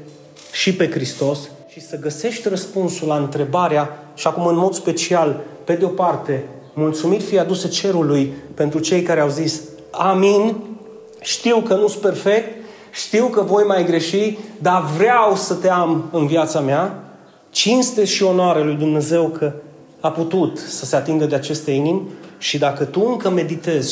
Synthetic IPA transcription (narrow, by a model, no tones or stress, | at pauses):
ʃipe̞kɾist̪o̞s | ʃisəɡəse̞ʃt̪ʲrəspunsulaɨnt̪ɾe̞baɾea | ʃiakumɨnmo̞d̪spe̞t͡ʃialpe̞d̪eo̞part̪e̞ | mult̪sumit̪fiad̪uset͡ʃe̞ɾulujpe̞nt̪ɾut͡ʃe̞jkaɾeawzis | amin | ʃt̪iwkənuspe̞rfe̞k̚t̪ | ʃt̪iwkəvo̞jmajɡɾe̞ʃid̪avɾeawsət̪e̞amɨnviat̪samea | t͡ʃinst̪e̞ʃio̞noaɾelujd̪umne̞ze̞wkʰə | aput̪ut̪səse̞at̪iŋɡ̪əd̪e̞at͡ʃe̞st̪einimʲʃid̪akət̪uɨŋkəme̞d̪it̪e̞z̥